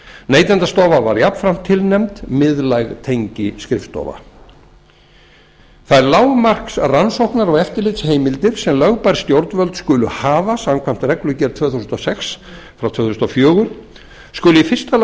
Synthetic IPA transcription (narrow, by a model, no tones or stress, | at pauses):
neːjt̪ɛnt̪ast̪ɔːvava̰ɾjapn̥fɾam̥t̪ʰːɪlnɛmt̪mɪðlajɣt̪ʰejɲcɪskɾɪft̪ɔ̰va̰ | θaðɛɾlaːwmar̥ksaðransowhknaɾɔɣɛft̪ɪɾlɪt̪sheːjmɪlt̪ɪɾ̥sɛmlœɣpajɾ̥st̪jowɾt̪nvœlt̪skʏːlʏhaːvasamkʰvam̥t̪rɛklʏcɛɾt̪ʰvœːθusnt̪ɔsɛks | fɾawt̪ʰvœːθusnɔfjœːɣʏɾ̥ | skʏlʏifɪr̥st̪al